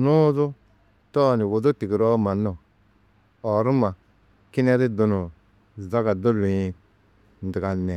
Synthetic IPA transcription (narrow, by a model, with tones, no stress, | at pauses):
nu˦zʊ˦ | tɔ˦˨ni˨wo˨zu˦ti˨ɡi˨ɾɔ˦ma˨nɔ˨ | ɔ˨ɾu˦ma˨ | ki˦nɛ˦ɾi˦du˨nu˨ | za˦ɡa˨do˦lu˨i˨ | n̩˨di˨ɡa˨nɛ˨